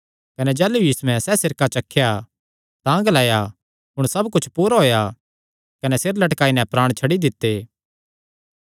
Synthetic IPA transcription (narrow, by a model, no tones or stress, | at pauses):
kɐnɛd͡ʒɛːlujiːsuɛ̃sɛsɪɾkat͡ʃɐkʰːja | t̪ãːɡlaːja | ɦʊɽ̃sɐbkʊt͡ʃʰpuːɾaɦoːja | kɐnɛseɾlɐʈkaːinɛpɾaːɽ̃t͡ʃʰɐɽid̪ɪt̪ːeː